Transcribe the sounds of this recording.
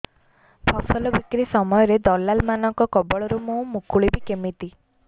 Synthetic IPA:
pʰɔsɔlɔbikɾisɔmɔjɔɾed̪ɔlːalmanɔŋkɔkɔbɔɭɔɾumoũmukuɭibikemit̪i

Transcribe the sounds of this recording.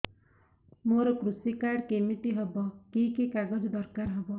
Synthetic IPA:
moɾɔkɾusikaɾɖkemiʈ̪iɦɔbɔkikekaɡɔd͡ʒd̪ɔɾkaɾɦɔbɔ

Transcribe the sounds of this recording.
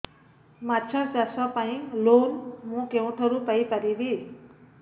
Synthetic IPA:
maːt͡ʃʰə̃pjaːsãːpaːĩːloːnmũːkẽũːʈʰəɾũpəiːpəɾiʋiː

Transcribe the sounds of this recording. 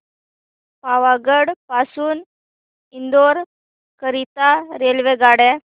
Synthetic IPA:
paʋaɡəɽpasuːn | ind̪oɾ | kəɾit̪aɾelʋeɡaɽɛ

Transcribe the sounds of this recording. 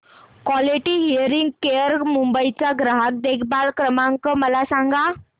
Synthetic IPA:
kʋɔliʈiːɦiəɾiŋɡkeəɾmumbəit͡saɡɾaɦək̚d̪ekʰbalkɾəmãŋkəməlasãŋɡa

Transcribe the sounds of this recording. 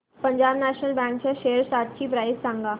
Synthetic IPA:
pəɲd͡ʑabnæɕnəlbɛ̃ŋkt͡ɕaɕeəɾsaʈ̪̚t͡ɕiːpɾajssãŋɡa

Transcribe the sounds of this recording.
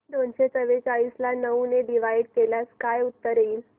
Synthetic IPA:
d̪onɕet͡səʋet͡saɭiːslanəuneɖiʋajɽkelaskajut̪ːəɾiːl

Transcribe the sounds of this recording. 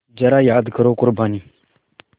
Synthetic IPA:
d͡ʒaɾajaad̪ɡəɾokʊɾbani

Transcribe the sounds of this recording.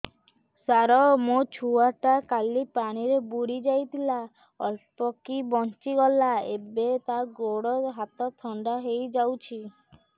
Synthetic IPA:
saɾɔmot͡ʃʰuaʈakalipaɽ̃iɾebuɽid͡ʒajt̪ʰila | ɔ̰lpɔkibɔnt͡ʃiɡɔlaebet̪aɡoɽɔɦat̪ɔt̪ʰɔɳɖaɦejd͡ʒawt͡ʃʰi

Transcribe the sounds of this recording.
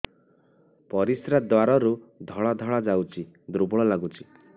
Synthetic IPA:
pɔɾisɾad̪waɾɔɾud̪ʱɔɭad̪ʱɔɭad͡ʒawt͡ʃʰi | d̪ɾubɔɭɔlaɡut͡ʃʰi

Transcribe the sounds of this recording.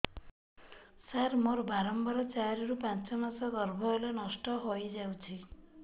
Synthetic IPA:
saɾmoɾbaɾɔmbaɾɔt͡ʃaɾɔɾupãnt͡ʃɔmasɔɡɔɾbʱɔelenɔsʈɔɦojd͡ʒawt͡ʃʰi

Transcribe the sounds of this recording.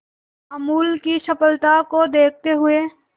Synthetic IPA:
amuːlkiʃɐpəlt̪akod̪eːk̚ʰt̪eɦʊeː

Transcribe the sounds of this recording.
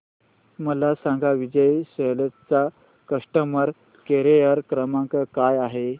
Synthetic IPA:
məlasãŋɡaʋid͡ʑəjɕələtt͡sa | kəʂʈəməɾ | keɾejəɾkɾəmãŋkəkajaɦe

